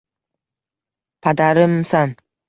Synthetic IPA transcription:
pʰad̪aɾɪmsan

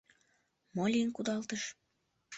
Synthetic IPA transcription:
molʲinkud̪ɑlt̪əʃ

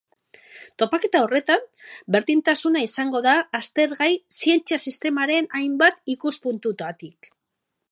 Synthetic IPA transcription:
t̪o̞pake̞t̪ao̞re̞t̪ambe̞ɾðint̪asunaisaŋɡo̞ðaːst̪e̞ɾɣajsie̞nt͡siasist̪e̞maɾe̞najmbat̪ikuspunt̪ut̪at̪ik

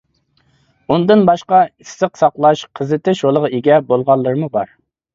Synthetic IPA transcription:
und̪ɨnbɑʃqɑisːɨqsɑqlˠɑʃqʰəzɨt̪ɪʃolˠəʁeɡʲɛbolˠʁɑlˠːəɾɨmubɑɾ

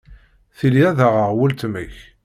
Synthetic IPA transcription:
θiliæðəʁəʁwəlt̪məç

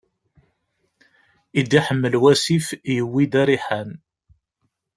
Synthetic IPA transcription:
id̪ːiħəmːəlwæsifjəwːid̪æɾiħæn

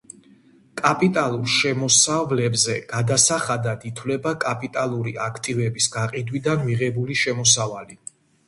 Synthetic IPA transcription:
kʼapʼit̪ʼalˠuɾʃɛmɔsavlɛbzɛɡ̥ad̪asaχad̪ad̪it̪ʰwlɛbakʼapʼit̪ʼalˠuɾiakʰt̪ʼivɛbisɡaqʼid̪wid̪anmiʁɛbuliʃɛmɔsavali

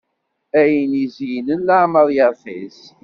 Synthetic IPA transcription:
æjənizjnənːaʕməðˤjəɾθḭz

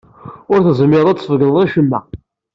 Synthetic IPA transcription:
ʊɾθəzmːɪɾˤævəɡənˤiʃəmːæ̰

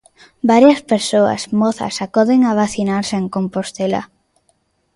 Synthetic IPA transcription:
baɾjɐspeɾsoɐ̰smɔθa̰sakɔðeŋaβaθinaɾseeŋkompost̪ela̰

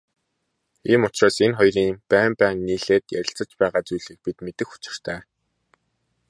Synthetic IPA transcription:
iːmʊt͡ɕraːsenχɔjriːŋpæːmpæːŋniːɮeːt̪jæ̰ɾʲɪ̆ɬt͡sə̆t͡ɕpæːʁaːt͡sujɮiːk̚pit̪met̪ɘ̆xu̥t͡ɕɪ̥̆r̥t̪ʰæː

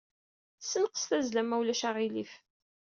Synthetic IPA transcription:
sːənqə̥sθæzlæmæwlæʃæʁilif

